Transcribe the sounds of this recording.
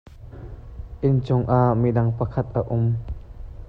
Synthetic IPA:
ʔɪnt͡sʊŋʔaʔmidɐŋpɐkʰɐt̪̚ʔaʔʊm

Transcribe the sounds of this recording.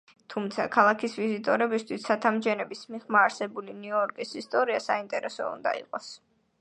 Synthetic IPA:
t̪ʰumt̪sʰa̰kʰalˠakʰisvizit̪ʼɔɾɛbist̪ʰwisːat̪ʰamd͡ʒɛnɛbismiχmaːɾsɛbuliniɔɾkʼisist̪ʼɔɾiasaint̪ʼɛɾɛsɔ̰ṵnd̪a̰ḭqʼɔs

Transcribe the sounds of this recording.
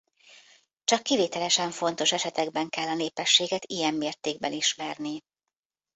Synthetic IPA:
t͡ʃɒkːiveːt̪ɛlɛʃɛɱfo̞n̪t̪o̞ʃɛʃɛt̪ɛɡbɛŋkɛlːɒneːpɛʃːeːɡɛt̪ijɛmːeːrt̪eːɡ̚bɛ̰niʃmɛrni

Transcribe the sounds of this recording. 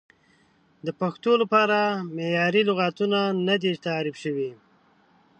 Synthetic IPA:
d̪əpaxt̪olapɑɾamejɑɾilʊɣat̪unanad̪et̪aːɾɪbʃəwi

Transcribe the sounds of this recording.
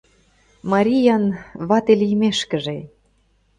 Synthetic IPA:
mɑɾʲijɑnβɑt̪elijmeʃkə̆ʒe

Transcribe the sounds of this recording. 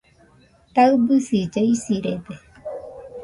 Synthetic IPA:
t̪aɯbɯsid͡ʒaisiɾed̪e

